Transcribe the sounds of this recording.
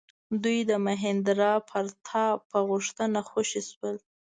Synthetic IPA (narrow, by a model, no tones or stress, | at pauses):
d̪ujd̪əmaɦɪnd̪ɾɑpʰəɾt̪ʰɑpəɣuʂt̪ənaxoʃiswəl